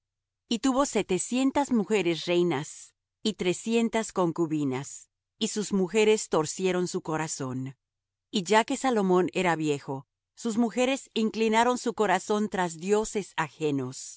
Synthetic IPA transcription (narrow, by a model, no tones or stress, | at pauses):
it̪uβo̞se̞t̪e̞sje̞nt̪azmuxe̞ɾe̞s̬rejnas | it̪ɾe̞sje̞nt̪asko̞ŋkuβinas | isuzmuxe̞ɾe̞st̪o̞ɾsje̞ɾo̞nsuko̞ɾaso̞n | iʝake̞salo̞mõ̞ne̞ɾaβje̞xo̞ | suzmuxe̞ɾe̞siŋklinaɾo̞nsuko̞ɾaso̞nt̪ɾazðjo̞se̞saxeno̞s